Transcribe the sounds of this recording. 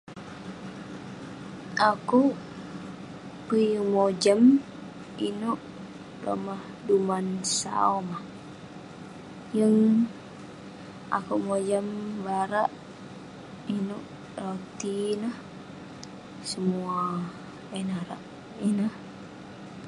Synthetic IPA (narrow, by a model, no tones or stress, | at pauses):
aku | pəjumod͡ʒam | inuʔ | ro̰mah | dumansa̰omah | jəŋ | a̰kumod͡ʒambaɾaʔ | inuʔ | rot̪inah | səmua | ɛnaɾa̰ʔ | inəh